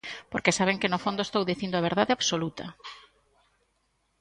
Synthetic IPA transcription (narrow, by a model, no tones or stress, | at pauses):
poɾkesaβ̞eŋkɪnʊfond̪oest̪owðiθind̪oaβ̞eɾðaðeaβsolut̪ɐ